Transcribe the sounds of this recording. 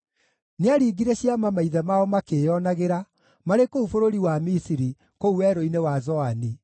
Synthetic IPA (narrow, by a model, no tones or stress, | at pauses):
neaɾiɡiɾeɕjamamaiðɛmaɔmakejɔnaɣeɾa | maɾekoufoɾoɾiwamisiɾi | kouwɛɾoinewazɔani